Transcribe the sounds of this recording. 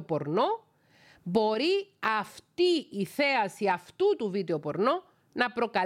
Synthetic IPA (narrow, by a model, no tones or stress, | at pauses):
po̞ɾno | bo̞ɾiɐft̪iːθe̞ɐsiɐft̪ut̪uvid̪eo̞po̞ɾno | nɐpɾo̞kɐ